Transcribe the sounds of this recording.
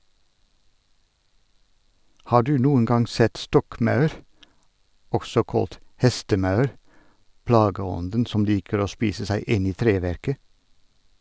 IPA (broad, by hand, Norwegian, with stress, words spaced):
ˈhɑː ˈɖʉː ˈnuːən ˈɡɑŋ ˈsɛt ˈstɔkˌmɑʉɾ ˈɔɡsɔ ˈkoːlt ˈhɛstəˌmɑʉɾ ˈplɑːɡəˌɔndən ˈsɔm ˈliːkəɹ ˈoː ˈspiːsə ˈsæɪ ˈɪn ˈiː ˈtɾeːˌʋæɾkə